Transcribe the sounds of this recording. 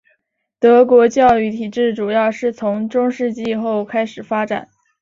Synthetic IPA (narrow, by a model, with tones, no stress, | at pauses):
t̪ɤ˧˥kwɔ˧˥t͡ɕjɑ˥˧ʊy˥˩t̪ʰi˨˩ʈ͡ʂɻ̩˥˩ʈ͡ʂu˨˩jɑ˥˧ʊʂɻ̩˥˩t͡sʰʊ˧˥ŋʈ͡ʂʊ˥ŋʂɻ̩˥˧t͡ɕi˥˧xo˥˩ʊkʰa˥ɪʂɻ̩˨˩fa˥ʈ͡ʂa̰˨˩˦n